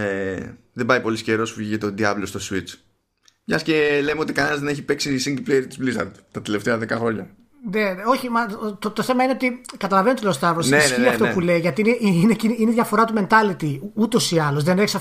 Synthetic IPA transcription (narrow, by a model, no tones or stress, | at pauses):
eðebɐjpo̞lisce̞ɾo̞sfuʝicet̪od̪iɐblost̪oswit͡s | pʝɐsce̞lemeo̞t̪ikɐnenɐzðeneçipe̞ksisiŋɡiplejeɾt̪i̥zplisɐ̰ɾd̪t̪ɐt̪eleft̪eɐðe̞kɐxɾo̞ɲɐ | neo̞çimɐt̪ot̪oθe̞mɐine̞o̞t̪ikɐt̪ɐlɐvenot̪olest̪ɐvosneisçiɐtt̪oeule̞iʝɐt̪ineʔiinecinineðʝɐfo̞ɾɐt̪ume̞nt̪ɐlit̪iut̪o̞siɐlo̞zðe̞neçisɐ